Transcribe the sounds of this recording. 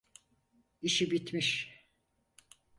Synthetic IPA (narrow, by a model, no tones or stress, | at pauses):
iʃibit̪miʃ